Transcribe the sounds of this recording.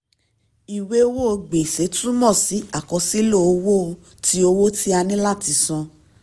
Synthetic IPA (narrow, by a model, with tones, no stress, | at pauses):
i˨we˨˦o˧˦wo˦o˧ɡ͡be˨se˨˦tũ˦mɔ̃˦˨si˨˦a˦˨kɔ˨˧si˦lo˦˨o˧wo˦˧ | ti˦o˧wo˦ti˦a˧nĩ˦la˦˨ti˨˧sɔ̃˧